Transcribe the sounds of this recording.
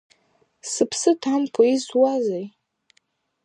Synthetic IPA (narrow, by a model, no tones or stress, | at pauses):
sɨpʰsɨtʰamkʰoizwazej